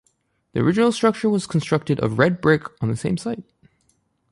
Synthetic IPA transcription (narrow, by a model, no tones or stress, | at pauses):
ðiə̰˞ɪd͡ʒɨnl̩ˠstɹ̥ʌk̚t͡ʃə˞wʌz̥kʰn̩stɹ̥ʌk̚tɨɾʌ̰vɹɛd̚bɹɪkn̩ðɨsẽɪ̃msaɪt̚